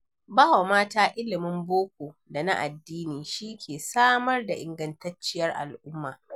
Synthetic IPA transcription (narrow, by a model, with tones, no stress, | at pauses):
baː˦wa˨maː˦taː˦ʔɪ˦lɪ˨mɪ˦mboː˦kʷoː˨da˨na̰˦ʔa˨dːiː˦niː˨ʃi˦kʲʰeː˨saː˦mɐ˦rda˨ʔɪ˨ŋɡɐ˦ntɐ˦t͡ʃːɪ˦jɐ˦rʔa̰˨lʔʊ˦mːaː˨